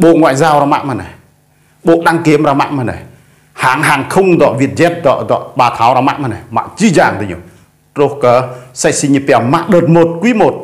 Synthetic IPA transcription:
ɓo˧˨ʔŋwaː˧˨jzaː˧wɾɔ˧ma̰˧ʔma˧na˨˩˨ | ɓo˧˨ʔɗa˧ŋki˨˦əmɾaː˧ma̰˧˨ʔma˧˩na˨˩ | haː˨˦ŋɦaː˨˩ŋkʰʊ˧ŋ͡md̪ɔ̰˧˨ʔvi˧˩ət̪̚zɛ˧˦t̪̚zɔ̰˧˨ʔzɔ̰˧˨ʔɓaː˨˩t̪ʰa˨˦wɾaː˧ma̰˧ʔma˧na˨˩ma̰˧ʔt͡ɕi˧zaː˧˨ŋt̪ə˨˧ɲo̰˨ | ɾo˧hkəː˨˦sa˧j̚si˧ɲi˧pa˧˩ma̰˧ʔɗə˨˩t̪̚mo˨˩t̪̚kwi˧˦mo˨˩t̚

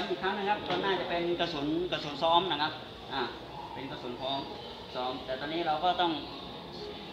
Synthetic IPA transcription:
kʰaː˦˥ŋna˧˥˩kʰa˦˥p̚kɔː˧nːaː˥˩t͡ɕa˨˩pe˧nka˧su˩˦nka˧˩su˨˩˦nsɔː˦˥mna˧˩kʰa˦˥p̚ | ʔaː˧˩ | pe˧nka˧su˨˩˦npʰoː˨˦˥ŋ | sɔː˦˥mt̪ɛː˨˩t̪ɔː˧nːiː˦˥ɾa˧wkɔː˥˩t̪ɔ˥˩ŋ

